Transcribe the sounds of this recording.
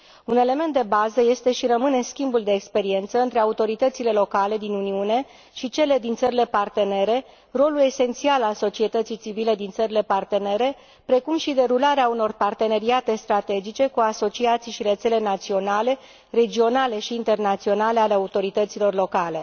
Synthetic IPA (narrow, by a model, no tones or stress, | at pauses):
une̞le̞ment̪d̪e̞bazəje̞st̪e̞ʃiɾəmɨne̞skʲimbuld̪e̞ːkspe̞ɾie̞nt̪səɨnt̪ɾe̞aut̪o̞ɾit̪ət̪sile̞lo̞kale̞d̪inuniune̞ | ʃit͡ʃe̞le̞d̪int̪səɾile̞part̪e̞ne̞ɾe̞ | ro̞lule̞se̞nt̪sialalso̞t͡ʃie̞t̪ət̪sijt͡ʃivile̞d̪int̪səɾile̞part̪e̞ne̞ɾe̞ | pɾe̞kumʃid̪e̞ɾulaɾeauno̞rpart̪e̞ne̞ɾiat̪e̞st̪ɾat̪e̞d͡ʒit͡ʃe̞kuaso̞t͡ʃiat̪sijʃiɾe̞t̪se̞le̞nat̪sio̞nale̞ | re̞d͡ʒio̞nale̞ʃiːnt̪e̞rnat̪sio̞nale̞aleaut̪o̞ɾit̪ət̪silo̞rlo̞kale̞